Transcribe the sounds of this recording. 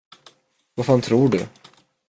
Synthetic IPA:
vafaːnt̪ʰɾuːɖɵ̰

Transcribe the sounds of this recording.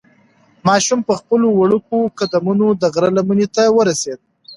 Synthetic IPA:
mɑʃumpəxpəlowaɽukokad̪amunod̪əɣɾalamunet̪awəɾased̪̚

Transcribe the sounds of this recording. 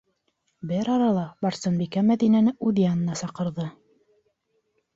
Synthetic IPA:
bɘɾɑɾɑlˠɑbɑɾsɤnbikæmæðinænɘʔuðijanɤ̆nɑsɑqɤ̆ɾðɤ

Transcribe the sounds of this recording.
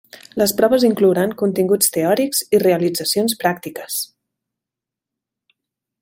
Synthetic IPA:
ləspɾɔβəziŋkluɾaŋkunt̪iŋɡut͡st̪eɔɾikz̥ireəlid͡zəsionspɾak̚t̪ikəs

